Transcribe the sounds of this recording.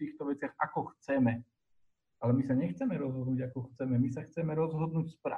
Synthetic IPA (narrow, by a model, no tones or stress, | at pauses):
t̪iːxt̪ɔʋɛt͡sɪaxakɔxt͡sɛmɛ | alɛmisaɲɛxt͡sɛmɛɾɔzɦɔd̪nuːɟakɔxt͡sɛmɛmisaxt͡sɛmɛɾɔzɦɔd̪nuːcspɾa̰